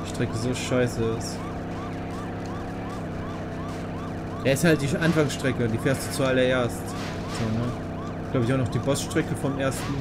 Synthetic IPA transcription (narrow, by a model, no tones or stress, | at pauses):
ʃtʁ̥ɛkəzoːʃaɪsəɪs | aːɐɪsthalt̚d̥iːʔanfaŋsʃtʁ̥ɛkəd̥iːfeːɐstd̥uːt͡sualɐeːɐst | z̥oːnə | ɡ̥laʊbɪçanɔχd̥iːbɔsʃtʁ̥ɛkəfɔmʔeːɐstn̩